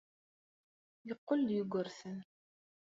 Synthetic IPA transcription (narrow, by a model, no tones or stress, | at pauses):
jəqːəljuɡʷəɾθən